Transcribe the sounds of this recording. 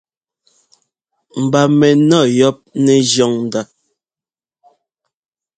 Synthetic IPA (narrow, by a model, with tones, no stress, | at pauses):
m̩˨ba˨mɛ˨nɔ˦˨jɔ˦p̚nɛ˨d͡ʒjɔ˦˨ŋn̩˨da˨